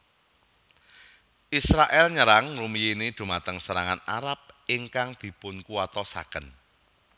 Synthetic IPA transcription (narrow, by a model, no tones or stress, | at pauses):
ʔisɾaʔɛlɲəɾaŋrumijenid̪̥ṳmat̪əŋsəɾaŋana̰ɾap̚ɪŋkaŋd̪̥i̤pʊnkuat̪ɔsa̰kən